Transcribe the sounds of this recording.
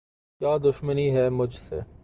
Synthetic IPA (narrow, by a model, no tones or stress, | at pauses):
kjaːd̪ʊʃməniɦɛmʊd͡ʒʱsḛː